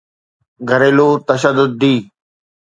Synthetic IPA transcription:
ɡʱəɾeːloːt̪əʃəd̪ʊd̪̚ːiː

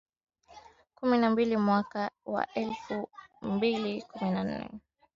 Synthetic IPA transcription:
kuminambilimwakawa̰ʔɛlfumbilikuminan̩nɛ̰

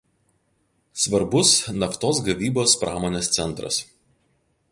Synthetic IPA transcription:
sʋɐɾbʊsnɐft̪oːs̬ɡɐʋʲiːboːspɾʔɑːmoːnʲeːst̪sʲɛnˑt̪ɾɐ̰s

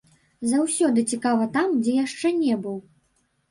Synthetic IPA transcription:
zawsʲɔd̪ɨt͡sʲikavɐt̪amd͡zʲɛjaʂt͡ʂɛnʲɛbɨw

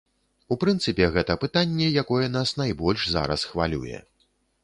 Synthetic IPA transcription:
upɾɨnt̪sɨpʲɛɣɛt̪ɐpɨt̪anʲːɛjakɔjɛn̪asnajbɔlʲʂza̰ɾɐ̰sxva̰lʲṵjɛ̰

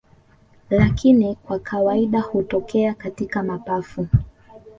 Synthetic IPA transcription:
lakinikwakʰawaiɗahutɔkʰɛakatikamapafu

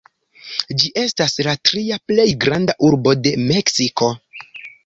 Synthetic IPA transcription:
d͡ʒiʔe̞staslatɾiaple̞jɡɾandaʔuɾbo̞de̞me̞ksiko̞

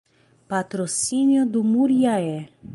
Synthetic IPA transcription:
pat̪ɾosinjod̪umuɾjaɛ

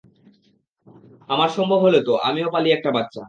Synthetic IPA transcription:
amaɾʃɔmbʱobʱɦolet̪oʔa̰miopaliɛk̚ʈabatːɕʰa

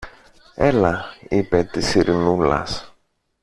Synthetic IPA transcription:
elɐipet̪isiɾinulɐ̰s

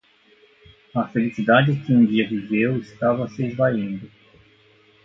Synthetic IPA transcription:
ɐfelisid̪ad͡ʒɪkɪũd͡ʒiɐvivewɪst̪avɐsɪezvaĩnd̪ʊ

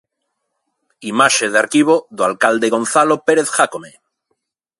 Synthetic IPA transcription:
imaʃeðeaɾkiβ̞oðoalkald̪e̞ɣo̞n̟θalopeɾeθxakome

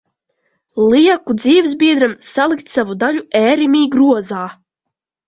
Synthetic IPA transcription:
lˠiɛkud̪ziːvzbiɛd̪ɾamsalˠik̚t̪savud̪aʎuɛːɾimiːɡɾuɔzaː

